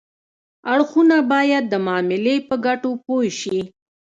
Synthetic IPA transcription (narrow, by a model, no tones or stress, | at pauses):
aɽxunabɑjad̪̚ːəmɑmɪlepəɡaʈopojʃi